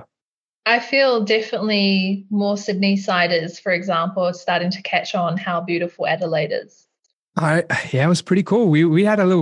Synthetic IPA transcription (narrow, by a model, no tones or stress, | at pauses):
aɪfiːlˠdɛfənətˡlimɔsɪdⁿnisaɪɾəz̥fə˞ɨɡzæ̃mpəl̩ˠstɑˑɾɪ̃ŋtʰɨ̥kʰæt͡ʃn̩haʊbjʉɾəfəl̩ˠæ̰ɾəleɪɾə̰z̥ | aɪjætwʌz̥pʰɹ̥ɪɾikʰulˠwiwiɨɾəlɪɾ̩